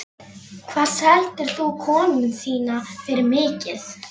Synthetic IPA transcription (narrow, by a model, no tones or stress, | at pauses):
kʰvaːðsɛl̥t̪ɪɾ̥θukʰɔːnʏnsiːnafɪɾɪɾmɪːcɪθ